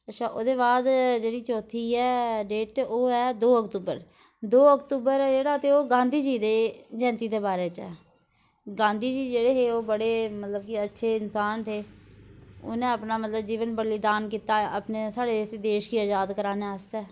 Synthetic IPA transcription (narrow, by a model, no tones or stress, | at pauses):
ətːʃʰaːʔoːd̪eːβaːd̪d͡ʒeːɽiːt͡ʃɔːt̪ʰiːɛːɖeːʈ̚t̪eʔoːɛːd̪oːəkt̪uːbə̰ɾ | d̪oːəkt̪uːbəɾɛd͡ʒeːɽaːət̪eːoːɡãːnd̪iːd͡ʒiːd̪eːd͡ʒɛ̃ːnt̪iːd̪eːbaːɾeːt͡ʃɛː | ɡãːnd̪iːd͡ʒiːd͡ʒeːɽeːɦeːoːbəɽeːmət̪ləb̚kiətːʃʰeːɪnsaːnt̪ʰeː | ʊ̰nẽːəpnaːmət̪ləbd͡ʒiːʋənbəɾlid̪aːnkiːt̪aːəpneːsaːɽeːseːd̪eːʃkiːəd͡ʒaːd̪kəɾaːneəst̪ɛː